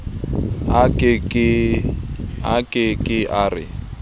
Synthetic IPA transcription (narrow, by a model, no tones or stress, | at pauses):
akʼɪkʼɪ | akʼɪkʼɪʔarɪ̰